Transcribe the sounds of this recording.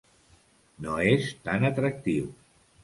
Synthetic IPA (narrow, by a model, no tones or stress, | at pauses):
noest̪anət̪ɾək̚t̪iw